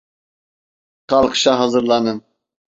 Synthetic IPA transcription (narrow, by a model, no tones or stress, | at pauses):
χɑlˠɤqɕɑɦɑzɤ̆ɾlˠɑnɤm